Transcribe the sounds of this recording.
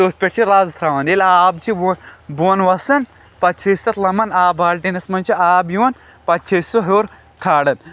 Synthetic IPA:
t̪oːt̪̚pʲeʈ̚ʲt͡ʃʰiɾaːzt̪ʰɾaːʋɐnelaːbt͡ʃʰibnbuɐnʋɐsɐn | pɐt͡ʃʰest̪ɐt̪lɐmɐnaːbaːlʈinɐsmɐnʲt͡ʃʰiaːbjuwɐn | pɐt͡ʃʰesoɦoːɾ | kʰaːɽɐn

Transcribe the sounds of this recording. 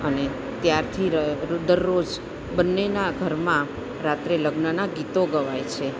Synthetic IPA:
əne | t̪jaɾt̪ʰiɾəd̪əɾːod͡ʒ | bənːenaɡʱəɾmã | ɾat̪ɾeləɡnənaɡit̪oɡəʋajt͡ʃʰe

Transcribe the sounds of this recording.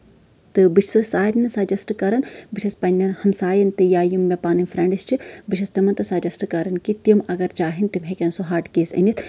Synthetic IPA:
t̪ɨbɨt͡ʃʰsosaːɾʲnɨsaːd͡ʒɐsʈɨkɐɾɐnbɨt͡ʃʰɐspɐnʲːɐnhɐmsaːjɐnt̪ɨjaːjimːepaːnɨnʲfɾɐɳɖɨst͡ʃʰibɨt͡ʃʰɐst̪ɐmɐnt̪ɐsaːd͡ʒɐsʈɨkɐɾɐnkit̪jɐmɐɡɐɾd͡ʒaːɦint̪imɦekʲɐnsoɦaːʈkeːsɐ̰nit̪ʰ

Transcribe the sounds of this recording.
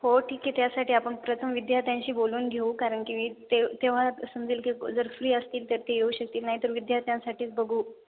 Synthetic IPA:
hoʈʰiːkːet̪jasaʈiːapəɳpɾət̪ʰəmʋid̪jat̪jãɲɕiːboluːnɡʱeukaɾəɳkĩit̪et̪eʋ̤asəmd͡ziːlkid͡zəɾfɾiːəst̪iːlt̪əɾt̪eɡʱeuɕək̚t̪iːlnaɦit̪əɾʋid̪jat̪jãsaʈʰiːt͡sbəɡʱuː

